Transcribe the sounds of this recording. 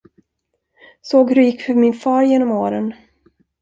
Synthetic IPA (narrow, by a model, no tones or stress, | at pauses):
soːɡhɵɾjɪkːfœɾmɪnfɑːɾjeːnɔmoːɾən